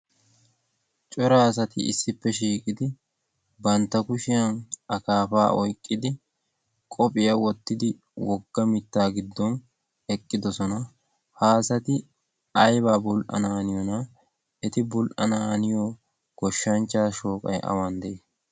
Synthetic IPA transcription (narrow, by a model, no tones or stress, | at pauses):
t͡ʃʼɔɾaːs̬ɐt̪ɪ̰ɪ̰sːɪpːɛʃiːkʼɪd̪ɪ | bɐnt̪ːɐkʊʃɪjɐnɐkaːfaːʔɔjkʼːɪd̪ɪ | kʼɔpʼɪjɐwɔt̪ːɪd̪ɪ | wɔɡːɐmɪt̪ːaːɡɪd̪ːɔn | ɛkʼːɪd̪ɔsɔnɐ | haːsɐt̪ɪ | ɐjbaːbʊlʔɐ̰naːnɪjɔnɐ | ɛt̪ɪbʊlʔɐnaːnɪjɔ | ɡ̥ɔʃːɐnt͡ʃːaːʃoːkʼɐ̰jʔɐ̰wɐnd̪ɛʔeː